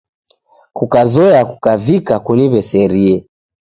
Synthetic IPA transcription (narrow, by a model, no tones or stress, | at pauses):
kukazɔaku̥kavikakuniβɛsɛɾiɛ